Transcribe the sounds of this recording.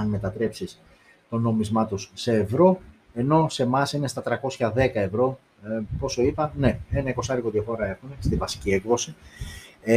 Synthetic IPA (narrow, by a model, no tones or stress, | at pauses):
ɐnme̞t̪ɐt̪ɾe̞psis | t̪o̞no̞mizmɐt̪osːe̞ːvɾo̞ | e̞no̞se̞mɐsine̞st̪ɐt̪ɾɐko̞sçɐðe̞kɐe̞vɾo̞ | po̞so̞ipɐnne̞enɐiko̞sɐɾikoðiɐfo̞ɾɐe̞xunest̪ivɐsi̥cie̞kðo̞si